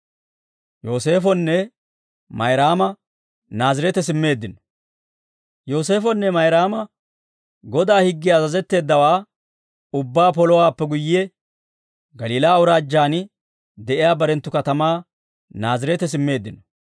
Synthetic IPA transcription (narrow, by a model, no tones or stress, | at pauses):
jo̞ːse̞ːfɔnːɛ | mɐjɾaːmɐ | naːzɪɾɛt̪ɛs̬ɪmːe̞ːd̪ːɪnɔ | jo̞ːs̬e̞ːfɔnːɛmɐjɾaːmɐ | ɡɔd̪aːhɪɡːɪjaːzɐzɛt̪ːe̞ːd̪ːɐwaː | ʊbːaːpɔlɔwaːpːɛɡʊjɪɛ | ɡɐliːlaːwʊɾaːd͡ʒːaːnɪ | d̪ɛʔɪjaːbɐɾɛnt̪ːʊkɐt̪ɐmaː | naːzɪɾɛt̪ɛs̬ɪmːe̞ːd̪ːɪnɔ